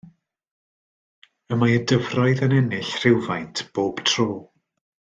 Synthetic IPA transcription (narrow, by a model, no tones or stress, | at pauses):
əmajədəvrɔɨðənɛnɪɬr̥ɪwvajntʰb̥oːb̥tʰroː